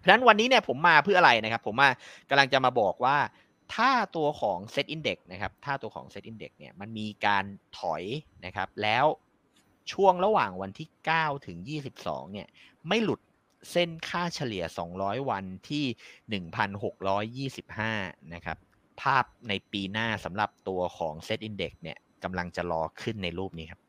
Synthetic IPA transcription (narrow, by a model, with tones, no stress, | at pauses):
pʰa˥na˦˥nwa˧nːiː˦˥ni˥ɐpʰo˩˦mːaː˧pʰɯ˥˩ʔa˧ɾa˧jna˦˥kʰa˦˥pʰːo˩˦mːaː˥˩ka˧mla˧ŋt͡ɕa˨˩maː˧bɔː˨˩k̚waː˥˩ | t̪ʰaː˥˩t̪u˧ɐkʰɔː˩˦ŋse˦˥t̪̚ʔi˧nde˨˩k̚na˦˥kʰa˦˥p̚t̪ʰaː˥˩t̪u˧ɐkʰɔ̰ː˩˦ŋse˦t̪̚ʔi˧ndḛ˨˩k̚nḭ˥ɐma˧nmiː˧kaː˧nt̪ʰɔ˨˩˦jna˦˥kʰa̰˦˥p̚lɛː˦˥w | t͡ɕʰu˥˩əŋɾa˧waː˨˩ŋwa˧nt̪ʰiː˥˩kaː˥˩wt̪ʰɯ˩˦ŋjiː˥˩si˨˩p̚sɔ̰ː˩˦ŋni˥˩ɐ | ma˥˩jlu˨˩t̪̚ | se˥˩nkʰaː˥˩t͡ɕʰa˧li˨˩˦ɐsɔː˩˦ŋɾɔː˦˥jwa˧nt̪ʰiː˥˩nɯ˨˩ŋpʰa˧nɦo˨˩k̚ɾɔː˦˥jːiː˥˩si˨˩p̚haː˥˩na˦˥kʰa̰˦˥p̚ | pʰːaː˥˩p̚na˧jpiː˧naː˥˩sa˩˦mɾa˨˩p̚t̪u˧ɐkʰɔː˩˦ŋse˦˥t̪ʔi˧nde˨˩k̚ni˥˩ɐka˧mla˧ŋt͡ɕa˨˩ɾɔː˧kʰɯ˥˩nːa˧jɾuː˥˩p̚niː˦kʰa˦˥p̚